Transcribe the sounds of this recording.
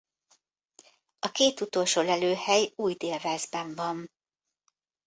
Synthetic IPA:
ɒkeːt̪ut̪o̞lʃoːlɛløːhɛjuːjd̪eːlvɛːzbɛɱvɒn

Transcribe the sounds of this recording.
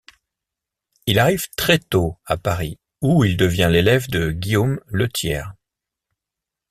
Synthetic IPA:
ilaʁiv̥t̪χɛt̪oapaʁi | uild̪əvjɛ̃lelɛvd̪əɡʲiomlət̪ʰjɛ̰ːʁ

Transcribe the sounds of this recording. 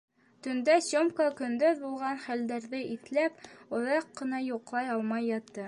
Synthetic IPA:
t̪ɵ̆nd̪æsomkəkɵ̆nd̪ɵðbulˠʁɑnχæld̪æɾðɘʔiθlæpŏðɑqːɤ̆nɑjuqlˠɑjɑlˠmɑjːɑt̪ːɤ

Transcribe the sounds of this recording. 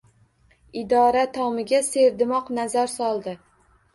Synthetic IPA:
ɪd̪ɒɾat̪ʰɒmɪɡʲase̞ɾd̪ɪmɒqnazaɾsɒlˠd̪ɪ

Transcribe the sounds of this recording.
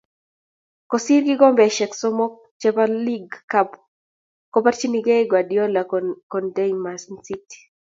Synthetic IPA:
kɔsirɡɪɡɔmbɛʃɛksɔmɔ | t͡ʃɛpaliɡkap | kɔpart͡ʃiniɡɛɡwadjɔlakɔndenmasnsiti̥

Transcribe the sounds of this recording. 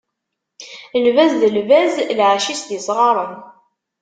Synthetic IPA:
əlvæzðəlvæzlʕaʃisd̪isˤʁɑɾˤən

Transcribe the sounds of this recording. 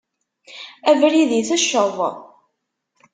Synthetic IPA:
ævɾiðiθæʃːəðˤ

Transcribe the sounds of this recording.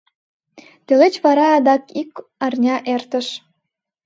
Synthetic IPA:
t̪ølet͡ɕβɑɾɑːd̪ɑkikɑrnʲɑʔert̪ə̆ʃ

